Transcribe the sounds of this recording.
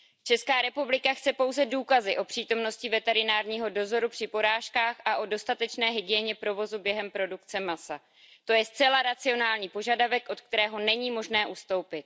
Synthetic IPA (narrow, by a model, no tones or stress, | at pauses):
t͡ʃɛskaːɾɛpublɪkaxt͡sɛpo̞wzɛduːkazɪʔo̞pr̝̥iːt̪o̞mno̞scɪvɛt̪ɛɾɪnaːɾɲiːɦo̞do̞zo̞ɾupr̝̥ɪpo̞ɾaːʃkaːxʔaʔo̞do̞st̪at̪ɛt͡ʃnɛːɦɪɡɪjɛɲɛpɾo̞vo̞zubjɛɦɛmpɾo̞dukt͡sɛmasa | t̪o̞jɛst̪t͡sɛlaɾat͡sɪo̞naːlɲiːpo̞ʒadavɛkʔo̞t̪k̚t̪ɛɾɛːɦo̞nɛɲiːmo̞ʒnɛːʔust̪o̞wpɪt̪̚